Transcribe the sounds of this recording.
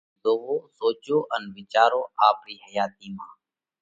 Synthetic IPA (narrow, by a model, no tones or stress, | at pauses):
zoːʋoːsoːd͡ʒoːʔənʋɪt͡ʃaːɾoːaːpɾiːhəjaːt̪̚iːmãː